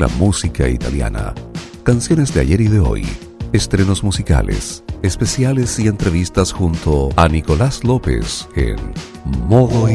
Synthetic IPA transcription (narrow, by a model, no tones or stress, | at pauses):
la̰musikait̪alja̰na̰ | kansjo̞ne̞zðea̰ʝe̞ɾiðe̞o̞̰j | est̪ɾe̞no̞zmusika̰lḛsespe̞sjale̞sie̞nt̪ɾe̞βist̪asxunt̪oaniko̞laslo̞pe̞̰sḛn | mo̞ðo